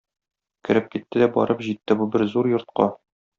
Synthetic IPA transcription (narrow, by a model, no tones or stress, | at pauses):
kɘ̆ɾɘp̚kit̪ːɘd̪æbɒ̰ɾɤpʑit̪ːɘbubɘɾzuɾjŏɾt̪̚qɑ